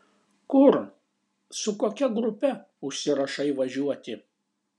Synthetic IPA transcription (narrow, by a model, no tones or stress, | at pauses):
kʊɾ | sʊkoːkʲɛɡɾʊpʲɛ | ʊʃʲsʲɪɾɐʃɐɪʋɐʒʲuɔt̪ʲɪ